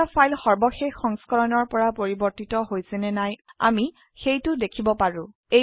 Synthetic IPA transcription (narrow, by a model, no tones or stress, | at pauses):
apʰajlxɔɹbɔxexːɔŋskɔɹɔnɔɹpɔɹapoɹibɔɹtitɔɦojsɛnɛnaja̰mi | xejtʊdekʰibɔpaɹʊ̃ | e